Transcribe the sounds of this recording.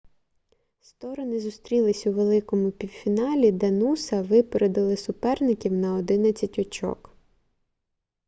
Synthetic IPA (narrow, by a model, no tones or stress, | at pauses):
st̪ɔɾɔnɪzʊst̪ɾʲilˠɪsʲuʋelˠɪkɔmʊpʲiwfʲinɑlʲid̪ɐnusɐʋɪpeɾed̪ɪlˠɪsʊpɛrnɪkʲiwnɐɔd̪ɪnɐt͡sʲɐtʲɔt͡ʃɔ̰k